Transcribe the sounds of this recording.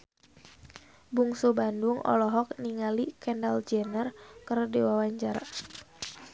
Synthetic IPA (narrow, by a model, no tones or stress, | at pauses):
buŋsubanduŋɔ̰lɔɦɔk̚niŋalikɛndald͡ʒɛnərkərdiwawaɲt͡ʃaɾa